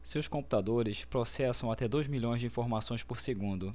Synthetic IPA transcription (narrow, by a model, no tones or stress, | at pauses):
sewskõmpu̥t̪ad̪oɾɪspɾɔsɛsɐ̃w̃at̪ɛd̪ojzmiʎõj̃zd͡ʒɪĩfoɾmasõj̃spoɾseɡũnd̪ʊ